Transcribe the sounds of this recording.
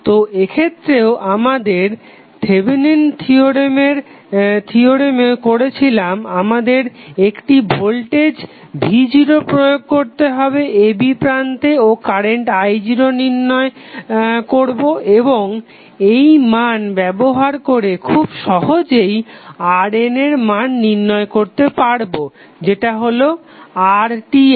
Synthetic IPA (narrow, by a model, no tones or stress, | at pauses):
t̪oʔekʰet̪ːɾeoʔamad̪eɾ | t̪ʰebinent̪ʰioɾemeɾ | t̪ʰioɾemekoɾet͡ɕʰilamamad̪eɾekʈibʱolʈed͡ʑ | bʱid͡ʑiɾopɾojoɡ̚koɾt̪eɦɔbeʔebipɾant̪eokaɾeɳʈajd͡ʑɾoniɾnːɔe | koɾboʔeboŋ | ejmanbɛboɦaɾkoɾekʰubʃɔɦod͡ʑejaɾeneɾmanːiɾnːɔekoɾt̪epaɽbo | d͡ʑeʈaɦolo | aɾʈi